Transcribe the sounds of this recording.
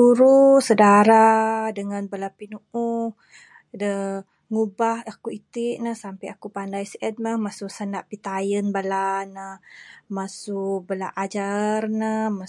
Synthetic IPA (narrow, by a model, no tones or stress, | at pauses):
uɾusədaɾadəŋanbəlapinuu | də | ŋubahakuit̪iʔnəhsampajakupandajsiʔɛd̚məhmasuʔsənaʔpit̪ajənbəlanəhmasuʔbəlaʔad͡ʒarnəma